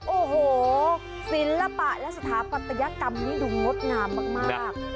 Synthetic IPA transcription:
ʔoː˨˩hoː˨˩ | si˨˩˦nla˧pa˨˩ʔlɛ˦˥ʔsa˧t̪ʰaː˩˦pa˨˩t̪ʰːa˧ja˦˥ʔka˧mniː˦˥˩du˨˧˩ŋŋo˦˥t̪̚naː˧˩mːaː˧˩k̚maː˥˩k̚

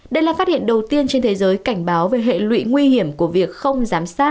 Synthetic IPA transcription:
ɗə˧jlaː˨˩faː˦˥t̚hḭ˧˨ənɗə˨˩wt̪i˧ənt͡ɕe˧nt̪ʰe˨˦zəː˨˦jka˧˩jŋ̟ɓaː˨˦wve˨˩ɦḛ˧˨lwḭ˧˨ŋwi˧hi˧˩əmku˧˩əvi˨˩ək̚xə˧wŋ͡mzaː˨˦msaː˦˥t̚

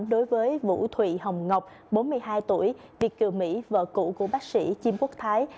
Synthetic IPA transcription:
ɗo˨˦jvəː˨˦jvṵ˧˥t̪ʰwḭ˧˨hə˨˩wŋ͡mŋə˨˩wk͡p̚ | ɓo˨˦nmɨ˧əjɦaː˧jt̪u˧˩əj | vi˨˩ək̚kɨ˨˧˩əmḭ˧˥və̰ː˧˨kṵ˧˨ku˧˩əɓaː˦˥k̚sḭ˧˥t͡ɕi˧mku˦˥ək̚t̪ʰaː˨˦j

